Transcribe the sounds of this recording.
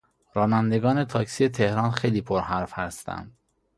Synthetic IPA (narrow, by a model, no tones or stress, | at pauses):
ɾɒːnænd̪e̞ɡɒːne̞t̪ʰɒːksijet̪ʰehɾɒːnxejliːpʰoɾhæɾfhæst̪æ̰nd̪̥